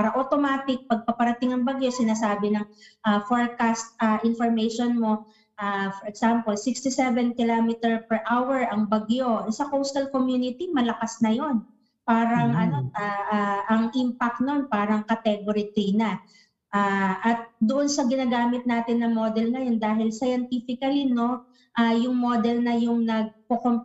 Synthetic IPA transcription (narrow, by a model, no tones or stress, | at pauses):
ppaːɾɐʔot̪o̞maːt̪ɪk̚pɐɡ̚pɐpɐɾɐt̪ɪŋɐŋbɐɡjo̞sɪnaːsaːbɪnɐŋʔafoɹkast̪̚ʔɐʔɪnfoɹmɛjʃonmo̞ | ʔafɔɹɛksampolsɪkst̪isɛvɛnkɪlaːmɪt̪ɛɹpɛɹʔawɛɹʔɐŋbɐɡjo̞ʔɛsɐkowst̪ɐlkomjuːnɪt̪imɐlɐkasnɐjo̞n | paːɾɐŋʔɐnoaʔaʔɐŋʔɪmpɐk̚t̪̚nonpaːɾɐŋkɐt̪ɛɡoɾit̪ijnɐ | ʔaːʔɐt̪̚d̪ʊʔonsɐɡɪnaːɡaːmɪt̪̚naːt̪ɪnːɐŋmod̪ɛlnɐjond̪aːɦɪlsɐjɐnt̪ifɪkɐlino̞ | ʔajʊŋmoːd̪ɛlnɐjʊŋnɐɡ̚kokom